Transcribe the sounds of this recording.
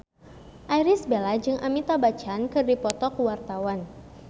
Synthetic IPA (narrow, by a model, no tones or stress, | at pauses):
ʔajɾɪsbelad͡ʒɨŋʔamit̪abat͡ʃankɨrdipɔt̪ɔkwart̪awan